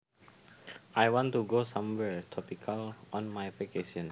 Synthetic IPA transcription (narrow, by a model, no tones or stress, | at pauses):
ʔajwɔ̃ntuɡosãmwɛɹtʰɔpikʰalɔ̃nmajfekesɔ̃n